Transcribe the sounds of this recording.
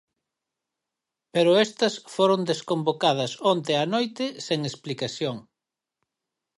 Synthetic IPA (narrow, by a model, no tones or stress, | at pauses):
peɾʊɛst̪ɐsfoɾond̪eskombokað̞ɐsont̪eanojt̪ɪseŋesplikaθjoŋ